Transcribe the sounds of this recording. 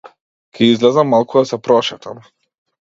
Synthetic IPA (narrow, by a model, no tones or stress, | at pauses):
kʲʰɛizlɛzamːalˠkud̪asɛpɾɔʃɛt̪ʰam